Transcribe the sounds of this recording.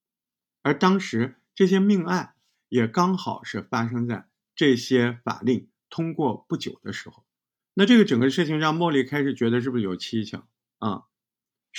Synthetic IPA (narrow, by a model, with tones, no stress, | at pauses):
ə˞˧˥t̪ɑ˥ŋʂɻ̩˧˥ | ʈ͡ʂɤ˥˩ɕ̬jɛ˥mi˥˧ŋa˥˩ɪ | jɛ˨˩kɑ˥ŋxɑ˨˩ʊʂɻ̩˥˩fa˥ʂ̬ɤ˥ŋt͡sa˥˧ɪ | ʈ͡ʂɤ˥˩ɕjɛ˥fa̰˨˩li˥˩ŋ | t̪ʰʊ˥ŋkwɔ˥˧pu˥˩t͡ɕjo˨˩ʊd̪ə˦ʂɻ̩˧˥xo˥˧˩ʊ | na˥˧ʈ͡ʂɤ˥˩ɡə˩ʈ͡ʂɤ˨˩ŋɡə˧˦ʂɻ̩˥˩t͡ɕʰi˧˩ŋɻɑ˥˧ŋmwɔ˥˧li˥˩kʰa˥ɪʂɻ̩˨˩t͡ɕɥɛ˧˥d̪ə˧ʂ̬ɻ̩˥˩bu˩ʂɻ̩˥˩jo˨˩ʊt͡ɕʰi˥t͡ɕʰɑ̰˨˩˦ŋ | ɐ̰˥˧